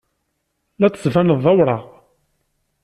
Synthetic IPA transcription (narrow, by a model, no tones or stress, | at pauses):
læt͡sːsˤvænəðˤːɑwɾˤɑʁ